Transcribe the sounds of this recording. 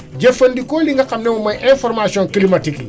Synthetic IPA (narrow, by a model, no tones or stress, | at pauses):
ɟɐfɐndikoːliŋɡɐxɐmnɛmɔmɐjʔɛ̃fɔɾmasiɔ̃ŋkilimɐtikli